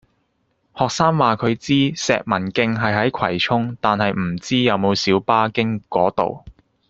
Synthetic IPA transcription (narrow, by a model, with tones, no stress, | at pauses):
hɔː˨k̚saː˥ŋwaː˨kʰɵ˨˧ɥt͡siː˥sɛ̰ː˨k̚mɐ˨˩nkɪ˧ŋɦɐ˨jɦɐ˨˥jkʰɐ̰˨˩jt͡ʃʰʊ˥ŋt̪aː˨nhɐ˨jm̩˨˩t͡siː˥jɐ˨˧wmo˨˧wsiː˨˥wpaː˥kɪ˥ŋkɔː˨˥t̪o̰˨w